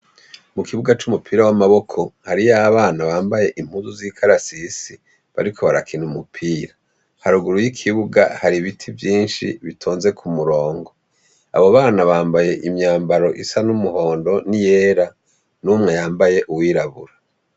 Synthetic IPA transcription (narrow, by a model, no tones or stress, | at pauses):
mukiβuɡat͡ʃumupʰiːɾawamaβo̞kʰo̞haɾijaβaːnaβaːmbaje̞ʔim̥huzuziːkʰaɾasisi | βa̰ɾikʰo̞βaɾakʰinumupʰiːɾa | haɾuɡuɾujikʰiβuɡa̰haɾiβitʰivjiːnʃḭβitʰoːnze̞kʰumuɾo̞ːŋɡo | a̰βoβaːnaβaːmbaje̞ʔimɲaːmbaɾo̞ʔisanumuho̞ːndo̞nije̞ːɾa | numŋe̞jaːmbaje̞ʔuwiːɾaβuɾa